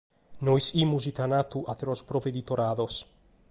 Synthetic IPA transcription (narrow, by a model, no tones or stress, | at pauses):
nojsimuzit̪anat̪uʔat̪eɾospɾoved̪it̪oɾaðos